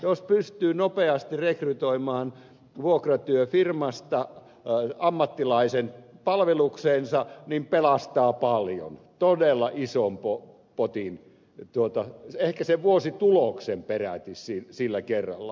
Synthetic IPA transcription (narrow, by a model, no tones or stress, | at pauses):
jospyst̪yːnopeɑst̪irekryt̪oimɑːn | ʋuokrɑt̪yøfirmɑst̪ɑ | ɑmːɑt̪ːilɑisenpɑlʋelukseːnsɑnimpelɑst̪ɑːpɑljo̰nt̪odelːɑʔisompo | pot̪in | t̪uot̪ɑehkæseʋʋuosit̪uloksemperæ̰t̪issisilːækerːɑ̰lːɑ̰